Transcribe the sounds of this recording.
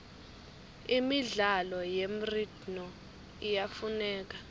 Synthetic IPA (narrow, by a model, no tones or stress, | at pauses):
imiɮalɔjem̩rid̥nɔ | ijafunɛːk̬ʼḁ